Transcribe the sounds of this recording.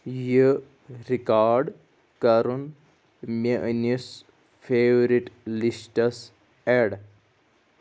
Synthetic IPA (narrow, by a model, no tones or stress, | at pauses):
jə | ɾikaːɾɖ | kɐɾun | meʔənis | fʰeːʋɾiʈlisʈɐs | eɖ